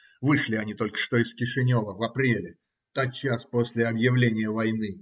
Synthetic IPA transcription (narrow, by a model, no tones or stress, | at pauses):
vɨʂlʲɪɐnʲit̪o̞lʲkə̥ʂt̪o̞ɪskʲɪʂɨnʲo̞vəvɐpɾʲelʲɪ | t̪at̪t͡ɕːaspo̞sʲlʲɪɐbjɪvlʲenʲɪjəvɐjnɨ